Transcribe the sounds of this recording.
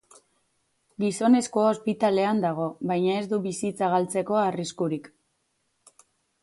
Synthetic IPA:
ɡiso̞ne̞skoaospit̪ale̞and̪aɣ̞o̞βajɲae̞zd̪uβisit͡saɣalt͡se̞ko̞ariskuɾik

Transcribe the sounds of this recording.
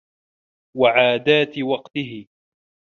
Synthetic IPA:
waʕaːd̪aːt̪ɪwɑqt̪ɪɦɪ

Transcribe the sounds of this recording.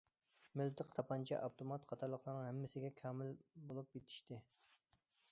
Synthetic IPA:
mɪlt̪ʰɨqt̪ʰɑpʰɑnt͡ʃʰɛʔɑwt̪ʰomɑt̪qʰɑt̪ʰɑɾlˠəχlˠɨɾnɨŋhæmːɪsɪɡʲɛkʲʰɑːmɪlbolˠup̚jet̪ʰi̥ʃt̪ɪ

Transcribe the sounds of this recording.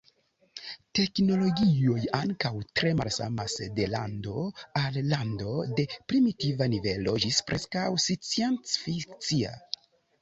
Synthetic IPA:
te̞kno̞lo̞ɡio̞jaŋkawtɾe̞malsa̰masde̞lando̞alːando̞de̞pɾimitivanive̞lo̞d͡ʒispɾʔe̞skawsit͡sient͡sfikt͡sia̰

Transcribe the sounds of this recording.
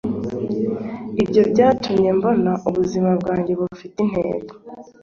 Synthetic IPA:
ibɟo̞bɟaːtumɲe̞mbo̞naʔuβuzimabɡaːɲɟe̞βufitin̥hḛːɡo

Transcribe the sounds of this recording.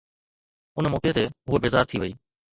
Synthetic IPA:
ʊnmoːket̪eɦʊebeːzaːɾt̪ʰiʋəiː

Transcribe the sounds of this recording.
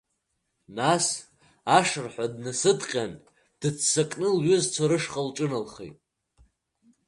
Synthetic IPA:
nas | aʂɨrħʷadnɨsɨdqʲʼan | d̥ɨt͡sʰsakʼnɨlɥʏzt͡sʰaɾɨʂχʼalʈ͡ʂʼɨnalχḛjtʼ

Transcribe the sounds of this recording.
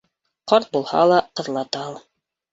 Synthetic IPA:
qɑɾt̪̚bulˠhɑ̰lˠɑqɤ̆ðlˠɑt̪ɑlˠ

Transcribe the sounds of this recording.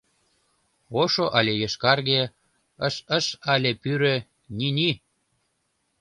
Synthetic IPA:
oʃoʔɑlʲejeʃkɑrɣe | əʃəʃɑlʲepyɾø | nʲini

